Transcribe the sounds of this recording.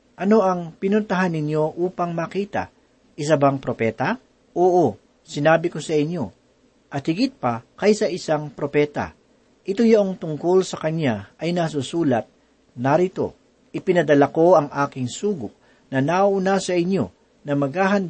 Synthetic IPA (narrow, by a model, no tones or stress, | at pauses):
ʔɐno̞ʔɐŋpɪnʊnt̪ɐɦanːɪɲjo̞ʔuːpɐŋmakiːt̪ɐ̰ | ʔɪs̬abɐŋpɾopɛːt̪ɐ | ʔoːʔo | sɪnaːbɪko̞sɐʔɪɲjo̞ | ʔɐt̪̚hɪɡɪt̪̚pɐkɐjsɐʔɪsaŋpɾo̞pɛːt̪ɐ̰ | ʔɪt̪ojɐʔoŋt̪ʊŋkolsɐkɐnjaɐjnɐs̬usuːlɐt̪̚ | nɐɾɪt̪o̞̰ | ʔɪpɪnɐd̪ɐlako̞ʔɐŋʔaːkɪŋsuːɡʊʔ̚ | nɐnaʔʔʊnasɐʔɪɲjo̞̰ | nɐmɐɡ̚haːɦɐnd̪